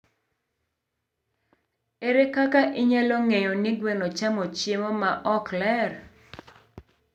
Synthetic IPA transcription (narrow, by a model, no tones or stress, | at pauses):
eɾekakaʔɪɲalɔŋejɔnɪɡwenot͡ʃamɔt͡ʃɪmɔmaʔɔklɛr